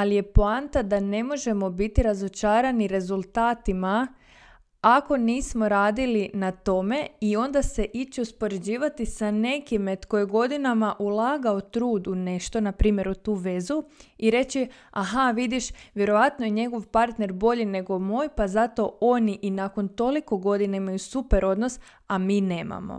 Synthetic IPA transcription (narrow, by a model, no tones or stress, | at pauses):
alije̞poant̪ad̪ane̞mo̞ʒe̞mo̞bit̪iɾazo̞t͡ʃaːɾaniɾe̞zulˠt̪aːt̪ima | ako̞niːsmo̞ɾaːd̪ilinat̪o̞me̞io̞nd̪ase̞ʔit͡ʃeuspo̞ɾe̞d͡ʑiːʋat̪isane̞kimet̪ko̞jeɡo̞d̪inamaʔulˠaːɡaot̪ɾuːd̪une̞ʃt̪o̞napɾiːmje̞ɾut̪uːʋe̞zuiɾe̞t͡ɕiaɦaʋid̪iʃʋje̞ɾo̞ʋat̪nojeɲe̞ɡo̞ʋpaɾt̪ne̞ɾbo̞ʎine̞ɡo̞moːjpazat̪o̞o̞niʔinako̞nt̪o̞liko̞ɡo̞d̪inaimajusupeɾʔo̞d̪no̞s | amiːne̞ːma̰mo̞̰